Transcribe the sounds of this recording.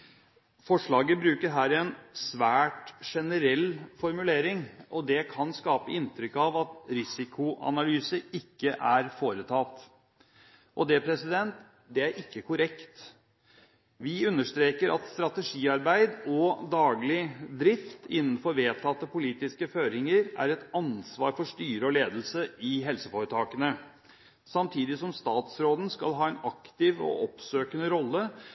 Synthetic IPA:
fɔʂɭɑːɡəbɾʉːkəɾɦæːɾɛnsʋæːʈʂɛnəɾɛlːfɔɾmʉleːɾɪŋʔɔd̪ɛkʰɑnskɑːpəɪnt̪ɾʏkːɑʋɑt̪ɾɪsɪkʰʊʔɑ̰nɑlyːsəɪkːəʔæɾfoːɾət̪ʰɑːlt̪ | ʔɔd̪ɛpʰɾɛsɪd̪ɛnt̪ | d̪ɛæɾʔɪkːəkʰʊɾɛkt̪ | ʋɪʉnːəʂt̪ɾeːkəɾɑ̰t̪st̪ɾɑt̪əʂiːɑɾbæɪd̪ɔd̪ɑːɡlɪd̪ɾɪft̪ɪnːən̩fɔɾʋeːt̪ʰɑt̪ːəpʊliːt̪ɪskəføːɾɪŋəɾæ̰ɾɛt̪ɑnsʋɑ̰ːɾfɔʂt̪yːɾəɔleːd̪l̩səɪɦɛlsəfoːɾət̪ʰɑːkənə | sɑmt̪ʰiːd̪ɪsɔmst̪ɑːt̪sɾoːd̪ən̩skɑ̰lɦɑːɛnɑkt̪ɪʋɔ̰ʔɔpsøːkənəɾɔlːə

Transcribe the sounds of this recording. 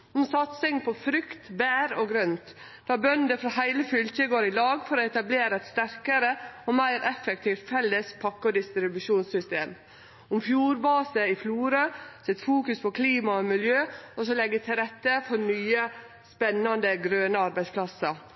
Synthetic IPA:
ʊmsɑt̪sɪŋpʰɔfɾʏkt̪bæːɾɔɡɾœnt̪ | d̥̪ɑːbœnd̪əfɾɑhæɪləfʏlçəɡoːɾɪlɑːɡfɔɾɔɛt̪ɑbleːɾəɛt̪st̪æɾkəɾəɔmæɪɾʔɛfɛkt̪ʰiːft̪fɛlːəspʰɑkːəɔd̪ɪst̪ɾɪbʉʂuːnsʏst̪eːm | ʊmfjuːɾbɑːsəɪfluːɾəsɛt̪fuːkʉspʰɔkʰliːmɑɔmɪljøːɔsɔlɛɡːət̪ʰɪlɾɛt̪ːəfɔɾnyːə | spɛnːɑnd̪əɡɾøːnəɑɾbæɪspʰlɑsɑ

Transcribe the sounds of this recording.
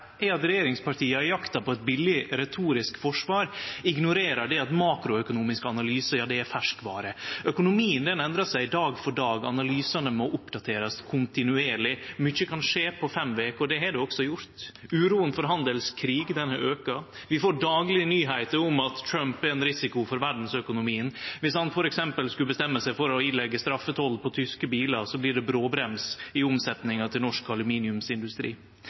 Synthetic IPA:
ɛɑt̪ɾɛjeːɾɪŋspɑɾʈʰiːəæɾjɑkt̪ɑpɔɛt̪̚bɪlːɪɾɛt̪ʰuːɾɪskfɔʂʋɑːɾɪɡnʊɾeːɾɑɖɛɑt̪mɑːkɾʊœkʊnuːmɪskəɑnɑlyːsəjɑːd̪ɛæɾfæʂkʋɑ̰ːɾəœkʊnʊmiːənd̪ɛnɛnd̪ɾɑsæɪɪd̪ɑːɡfɔɖɑːɡɑ̰nɑlyːsɑnəmɔʔʊpd̪ɑt̪ʰeːɾɑskʰʊnt̪ɪnʉeːɾɭɪmʏçəkʰɑnʂeːpʰɔfɛmʋeːkɔd̪ɛɦɑɖɛɔksɔjʊɾt̪ʉːɾuːənfɔɾɦɑnd̪əlskʰɾiːɡd̪ɛnhɑɾøːkɑʋɪfoːɖɑːɡlɪənyːɦæɪt̪əɾʊmɑt̪tʰɾœmpɛɾɛnɾɪsɪkʊfɔɾʋæɖn̩sœkʊnʊmiːənʋɪshɑnfɔɾɛksɛmpəlskʉlbəst̪ɛmːəsæɪfɔɾɔɪnlɛɡːəst̪ɾɑfːət̪ʰɔlpʰɔt̪ʰʏskəbiːlɑsɔblɪɖɛbɾoːbɾɛmsɪʊmsɛt̪nɪŋɑt̪ʰɪlnɔʂkɑlʉmiːnɪʉmsɪnd̪ʉst̪ɾḭː

